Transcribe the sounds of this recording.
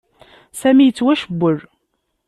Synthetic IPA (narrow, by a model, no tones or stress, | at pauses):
sæmijət͡sːwæʃəbːəɾ